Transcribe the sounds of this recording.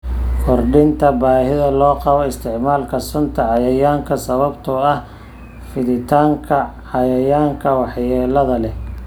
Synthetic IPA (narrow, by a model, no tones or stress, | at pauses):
kʰɔrɖɪnt̪ʰɐbaːhɪðɐlɔːqɑβɔɪst̪ʰɪʕmaːlkʰɐsɔnt̪ʰɐʕɑjɐjaːŋkʰɐsɐβɐbt̪ʰɔɐh | fɪðɪt̪ʰaːŋkʰɐʕɑjɐjaːŋkʰɐwɑħjɛːlɐðɐlɛ